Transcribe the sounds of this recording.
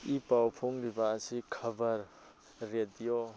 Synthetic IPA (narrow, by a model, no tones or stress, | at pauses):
ipawpʰoŋɾibaːsikʰɐbɐɾː | edijo